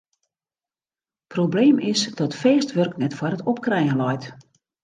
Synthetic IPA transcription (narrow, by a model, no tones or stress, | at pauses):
probleːmʔɪsdɔtfɛːstʋørknɛtfwɔɾətɔp̚krɛjəlɔjt